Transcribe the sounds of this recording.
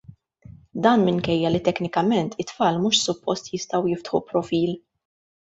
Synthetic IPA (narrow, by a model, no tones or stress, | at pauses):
d̪ɐːnmɪŋkɛjːɐlit̪ɛknɪkɐmɛnt̪ʰɪt̪fɐːlmuːʃsʊpːɔst̪jɪst̪ɐwjɪft̪ħṵpɾɔfiːl